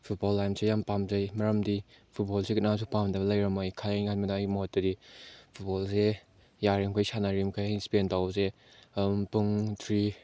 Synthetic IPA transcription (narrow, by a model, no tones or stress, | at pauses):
pʰut̚bolːajmsejampamzɐjmɐɾɐmdi | pʰut̚bolsekinasʰupamdɐblɐjɾɐmajkʰajajŋanmɐdaːjmot̚dɐdipʰut̚bolse | jaɾimkʰajsanaɾimkʰajjspentawze | puŋtʰɾi